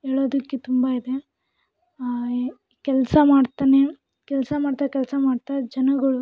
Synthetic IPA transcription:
ɦeːɭoːd̪ɐkːet̪umbaid̪e̞ | kɛlsɐmaːɖt̪aːne | kɛlsɐmaːɽt̪aːkɛlsɐmaːɽt̪ad͡ʒɐnɐɡɐɭu

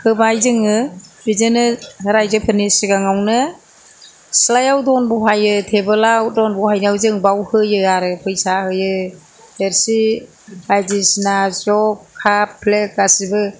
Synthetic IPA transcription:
hɯbajzɯŋɯbizɯnɯɾajzɯpʰɯnisiɡaŋawnɯ | slajawdɔnbuɦajɯtʰebɯlawdɔnbɔhajnawzɯŋbawhɯjɯaɾɯpʰɯjsahɯjɯ | deɾsi | ajdisinazɔkʰːapʰlek̚ːasibɯ

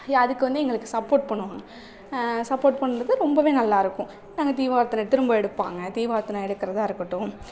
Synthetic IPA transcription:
ɐðɯkːɯʋɐnd̪ɯɛŋɡɐɭɯkːɯsɐpːoːʈ̚pɐɳːɯʋaːŋɡɐ | sɐpːoːʈ̚pɐɳːɾɐðɯɾɔmbɐʋeːnɐlːaːɪɾɯkːʊ̃ | naːŋɡɐt̪iːʋaːɾt̪ɐnɐt̪ːɪɾɯmbaɛɽɯpːa̰ːŋɡɐt̪iːʋaːɾt̪ːɐnãɛɽɯkːɐɾɐðãːɪɾɯkːɐʈːʊ̃

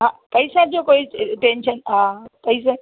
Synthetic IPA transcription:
ɦãpəjsãd͡ʒokoiʈenʃənãpəisã

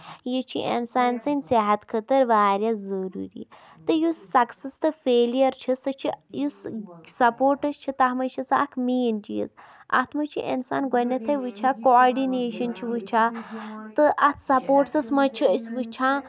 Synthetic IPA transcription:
jit͡ʃʰḭʔḛnsaːnsɐnʲseɦɐt̪kʰɐt̪ɐɾʋaːɾʲjazɐɾṵːɾḭ | t̪ɨjusːɐksɐst̪ɨfeːlijɐɾt͡ʃʰisɐt͡ʃʰijussɐpoːɾʈɐst͡ʃʰit̪ɐɦmɐt͡ʃʰɐsɐ̰kʰmeːnd͡ʒijə̰sɐ̰t̪ʰmɐt͡ʃʰiʔḭnsa̰ːnɡɔnɐt̪ʰɐjʋɨt͡ʃʰakoaːɾɖineːʃɐnt͡ʃʰiʋut͡ʃʰat̪ɨʔɐt̪ʰsɐpoːʈsɐsmɐt͡ʃʰiəsʲʋut͡ʃʰãː

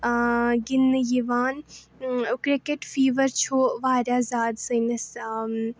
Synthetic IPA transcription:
ɡɪnjiʋaːn | kɾɪkeʈfiːʋəɾt͡ʃʰoːʋaːɾʲaːzaːd̪sɐnɐs

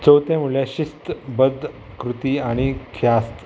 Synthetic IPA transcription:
t͡səwt̪jãmuljãɕist̪bəd̪ | kɾut̪iːaɽ̃ikʰjast̪

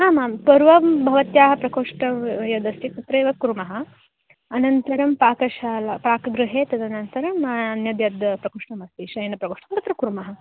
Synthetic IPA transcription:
ɦaːmaːmpɐɾʋɐbʱɐʋɐt̪jaːɦɐpɾɐkoːʂʈɐjɐd̪ɐst̪it̪ɐt̪ɾɐːʋɐkuɾumɐɦɐ̆ | ɐnɐnt̪ɐɾɐmpaːkɐʃaːlɐpaːkɐɡɾuɦeːt̪ɐt̪ɐnɐnt̪ɐɾɐmɐɐnjɐd̪jɐd̪pɾɐkoːʂʈɐmɐst̪iʃɐjɐnɐpɾɐkoːʂʈɐmt̪ɐt̪ɾɐkɾumɐɦɐ

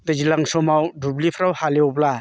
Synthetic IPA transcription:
dazilaŋsɔmawdublipʰɾawhaleɔbla

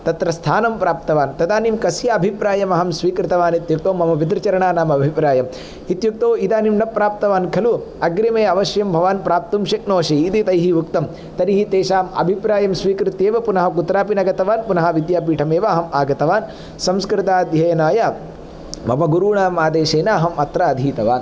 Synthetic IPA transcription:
t̪ɐt̪ɾɐst̪ʰaːnɐmpɾaːp̚t̪ɐʋaːnt̪ɐd̪aːnimkɐsjaɐbʱipɾaːjɐmɐɦɐmsʋiːkɾɪt̪ɐʋaːnit̪juk̚t̪oːmɐmɐʋid̪ɾɐt͡ʃɐɾɐɳaːnaːmɐbʱipɾaːjɐm | it̪juk̚t̪oːid̪aːnimnɐpːɾaːp̚t̪ɐʋaːnkʰɐlu | ɐɡɾimeːɐʋɐʃjɐmbʱɐʋaːnpɾaːp̚t̪umʃɐk̚noːʃiːd̪it̪ɐjɦiʋukt̪ɐm | t̪ɐniɦit̪eːʃaːmɐ̰bʱipɾaːjɐmsʋiːkɾɪt̪jeːʋɐpunɐɦɐkut̪ɾaːp̬inɐɡɐt̪ɐʋaːnpunɐɦɐʋid̪jaːpiːʈʰɐmeːʋɐːɦɐmaːɡɐt̪ɐʋaːn | sɐmskɾɪt̪aːd̪ʱjɐjɐnaːja | mɐ̰mɐɡuɾuːɳaːmaːd̪eːʃeːnɐːɦɐmɐt̪ɾaːd̪ʱiːt̪ɐʋa̰ːn

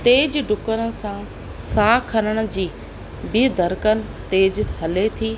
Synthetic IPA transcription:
t̪eːd͡ʑɖʊkəɾə̆sã | saːkʰənəɽ̃ʊ̆d͡ʑiː | bɪd̪əɾkənɪ̆t̪eːd͡ʑɦɐlet̪ʰiː

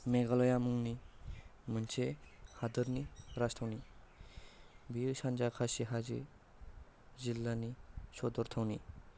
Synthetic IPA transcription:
meɡalɔjamuŋni | mɯnt͡ʃʰehad̪ɯɾniɾast̪ʰawni | bisand͡ʒakʰasiɦazḭ | zilːanisɔd̪ɔɾt̪ʰawni

